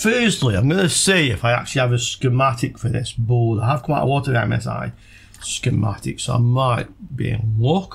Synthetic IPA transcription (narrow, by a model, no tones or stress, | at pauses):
fɜːˑstlˠiãɪ̃mɡʌnəsiːɪfaɪa̰k̚t͡ʃʉl̩ˠiəvəskəmatɪkfə˞ðɪ̰sboːdaɪəv̥kʰʌ̃maʊʔə̰wɔˑtəɹãmɛ̰sa̰ɪ | skɨma̰tɪ̰ksoa̰ɪmaɪt̚b̥ḭɪ̰̃nwʊˑk